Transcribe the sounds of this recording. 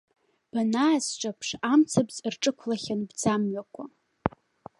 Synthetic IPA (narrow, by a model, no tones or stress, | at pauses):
b̥anaːsʈ͡ʂʼapʰʂamt͡sʰabt͡sʼɨrʈ͡ʂʼɨkʷʰlaχʲanbd͡zamɥakʷʰa